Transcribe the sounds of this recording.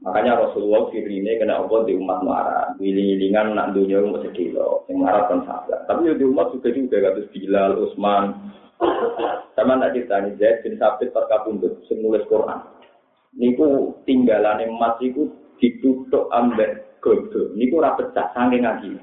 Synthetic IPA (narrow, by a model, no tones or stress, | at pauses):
makaɲaɾɔsuluaufiɾinekəna̰ʔɔbɔd̪iumat̪̚ma̰ɾa̰nwiliŋiliŋanːa̰ʔnd̪uɲɔmɔ̰ʔsəd̥ḭlɔ̰sɪŋmŋaɾap̚kansa̰ba̰t̪apid̪iumat̪̚suɡ̥a̤d͡ʒuɡakat̪̬ʊsb̥ilalʔosman | samanːaʔt͡ʃit̪anid͡ʒaɪt̪̚b̥ənsapɪt̪̚paskapunt̪ʊt̪̚səŋnulɪskuɾʔa̰n | nik̪ut̪iŋɡalanemasit̪u | d̪̥i̤t̪ut̪ɔʔambɛʔɡ̥ɔb̚dənik̪uɾapət̪t͡ʃa̰saŋɡɪŋaɡi